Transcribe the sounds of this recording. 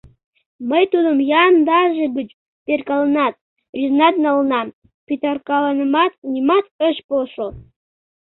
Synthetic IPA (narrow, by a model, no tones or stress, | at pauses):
məjt̪ud̪əmjɑnd̪ɑʒeɡət͡ʃ | perkɑlˠənɑt̪̚ | rʲiznɑt̪nɑlənɑm | pʲit̪ɑrkɑlˠɑnəmɑt̪nʲimɑt̪əʃpoʃo